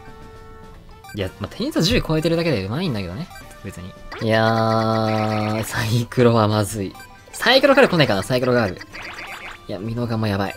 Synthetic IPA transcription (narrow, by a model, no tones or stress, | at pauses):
iamat̪ʰẽ̞ɲ̃it͡sːd͡ʑɨːiko̞e̞t̪e̞ɾɯ̟d̪ake̞d̪eɯ̟maĩnd̪ake̞d̪o̞ne | be̞t͡sɨɲ̟ija | saikɯ̟ɾo̞βamazɨi | saikɯɾo̞kaɾɯko̞nekanasaikɯɾo̞ɡaːɾɯ̟̰ | jamʲino̞ɡamojabaḭ